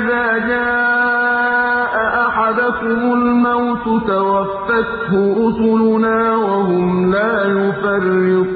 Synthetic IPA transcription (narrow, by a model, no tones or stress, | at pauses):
ʔɪðaːd͡ʒaːʔʔaʔaħad̪akʊmʊlmawt̪ʊt̪awɑfːɑt̪hʊʔʊsˤlʊnaːwahʊmlaːjʊfɑrːɪqː